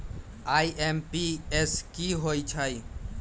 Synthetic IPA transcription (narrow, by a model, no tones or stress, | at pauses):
aːiʔempieskiɦoːit͡ʃʰai